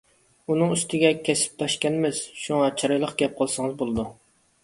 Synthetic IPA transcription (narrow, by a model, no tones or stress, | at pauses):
unɨŋyst̪ʰɪɡʲɛkʲʰɛsɪ̥p̚t̪ʰɑʃkʲɛnmɪz̥ʃuŋɑt͡ʃʰɑɾɑjlˠəqɡʲɛp̚qʰɑlˠsɨŋɨzbolˠɨd̪u